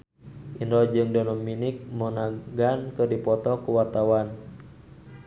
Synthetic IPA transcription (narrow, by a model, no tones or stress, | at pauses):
ʔindɔd͡ʒɨŋdɔnɔmːinik̚mɔnaɡankɨrdipɔt̪ɔkuwat̪awan